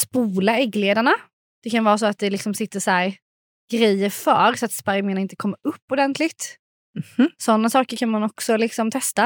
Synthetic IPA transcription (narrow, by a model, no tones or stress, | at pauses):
spuːlaɛɡːleːd̪aɳa | d̪̥ɛkʰanvɑːɾas̬ɔat̪̚d̪ɛlɪksɔmsɪt̪ːəʂæːɾ | ɡ̥ɾɛjəɾfœːɾsɔat̪spaɾjmɪːnaɪnt̪ə̥kʰɔmːaɵpːʊd̪ɛnt̪ʰlɪɡt̪ | sɔnːasɑːkəɾkʰanmanɔksɔlɪksɔmt̪ʰɛst̪a